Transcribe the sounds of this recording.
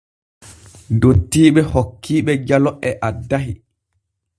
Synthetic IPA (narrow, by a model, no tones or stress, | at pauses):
ndotːiːɓɛhokʰːiːɓɛd͡ʒalɔɛʔadːaɦi